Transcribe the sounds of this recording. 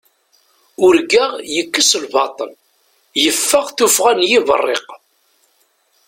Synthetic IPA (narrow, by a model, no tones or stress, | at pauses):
ʊɾɡaʁjəkːəslbɑt̪ˤə̰l | jəfːəʁθufʁanjivə̰rˤːḛq